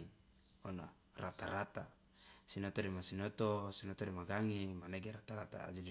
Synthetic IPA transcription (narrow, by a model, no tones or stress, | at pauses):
ona̰ | rat̪aɾat̪a | sinot̪oɾimasinot̪osinot̪oɾimaɡaŋimaneɡeɾat̪aɾat̪a̰ːd͡ʒidi